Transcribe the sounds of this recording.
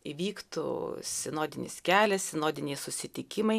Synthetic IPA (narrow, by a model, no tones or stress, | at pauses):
iʋʲiːkt̪ṵsʲɪnoːd̪ʲɪnʲɪ̰skʲæːlʲɛssʲɪnoːd̪ʲɪnʲɛɪsʊsʲɪt̪ʲɪkʲɪmɐɪ